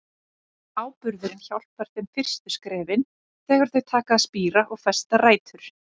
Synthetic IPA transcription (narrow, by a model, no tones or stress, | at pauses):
aːwpʏɾðʏɾɪnçawl̥paɾ̥θɛmfɪr̥st̪ʏskɾɛːvɪn | θɛːɣaɾ̥θœɥt̪ʰaːkaːðspiːɾaʔɔɣfɛst̪araːjt̪ʏɾ̥